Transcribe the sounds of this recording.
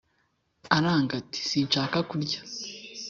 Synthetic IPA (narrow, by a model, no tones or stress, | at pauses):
aɾaːŋɡati̥siːnʃaːkakuɾɟḁ